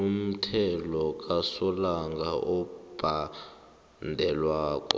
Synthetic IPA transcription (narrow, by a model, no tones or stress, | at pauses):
um̩tʰɛlɔkʼasɔlaŋɡʱaʔɔb̥ʱa | ndʱɛlwaːkʼɔ̰